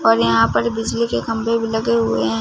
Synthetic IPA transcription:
ɔːɾjɐɦãpɐɾbɪd͡ʒlikekɐ̃mbʱebʱilɐɡeɦʊeɦɛ̃ː

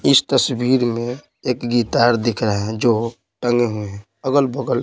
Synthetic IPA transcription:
ɪst̪əswiːɾmẽ | eːkɡit̪aːɾd̪ɪkʰɾaɦɛ̃d͡ʒo | ʈə̃ŋɡeɦueɦɛ̃ | əɡəlbəɡəl

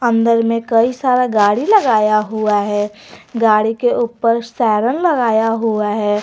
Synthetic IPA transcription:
ə̃nd̪əɾmẽkɐisaːɾaɡaːɽilɐɡaːjaɦuaɦɛː | ɡaːɽikeʔuːpəɾsɛːɾənlɐɡaːjaɦuaɦɛː

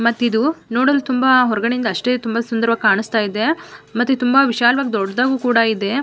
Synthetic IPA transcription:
mɐt̪ːid̪unoːɽoːlut̪umbaɦɔɾɐɡɐɳejind̪ɐːʂʈe̞ːt̪umbasund̪ɐɾʋɐkaːɳust̪aːjid̪e̞mɐt̪ːut̪umbɐʋiʃaːlʋaːɡed̪ɔɖːd̪aːɡuːkuːɽɐid̪e̞

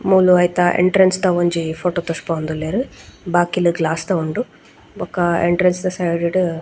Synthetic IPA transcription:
muːluɐjt̪ɐʔḛɳʈɾenst̪oʋɐɲd͡ʒipʰoːʈoːt̪ospaːnd̪ulːeːɾubaːkiluɡlaːst̪ɐuɳɖu | ɔkɐḛɳʈɾensd̪ɐsɐjɖeɖ

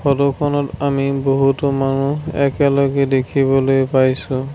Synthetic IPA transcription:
xʰɔdɔkʰɔnɔtamiboɦutɔmanuɛ̰kɛlɔɡɛdekʰibɔlojpajsʊ̃

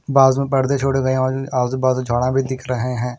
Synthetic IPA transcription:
baːzmẽpəɾd̪eːt͡ʃʰoːɽeɡəẽɔːaːzbaːzd͡ʒʱaːɽãːbʱiːd̪ɪkʰɾəɦeɦɛ̃ː

